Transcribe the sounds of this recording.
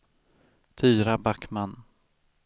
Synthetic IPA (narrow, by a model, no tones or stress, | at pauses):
t̪ʰyːɾabakman